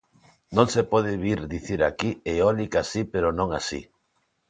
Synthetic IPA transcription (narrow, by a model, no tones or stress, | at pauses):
nõŋsepɔð̞ɪβiɾðiθiɾakieɔlikasipeɾonõŋasḭ